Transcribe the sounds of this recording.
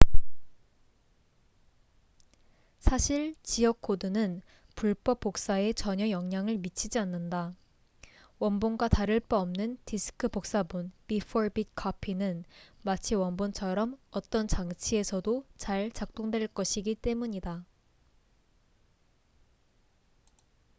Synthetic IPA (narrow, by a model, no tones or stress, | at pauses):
sʰaɕʰiɭt͡ɕijʌkʰodɯnɯn | puɭp͈ʌp͈ːok̚s͈ae̞t͡ɕʌɲʌjʌŋɲaŋɯɭmit͡ɕʰid͡ʑianːɯnda | wʌnbonɡwataɾɯɭp͈ʌʌmnɯntisʰɯ̥kʰɯpok̚s͈abunpifʰoɾbit̚kʰʌpʰinɯnmat͡ɕʰiwʌnbont͡ɕʰʌɾʌmʌt͈ʌnt͡ɕaŋt͡ɕʰie̞sʰʌdot͡ɕaɭt͡ɕak̚t͈oŋdwe̞ɭk͈ʌɕʰiɡit͈e̞muɲida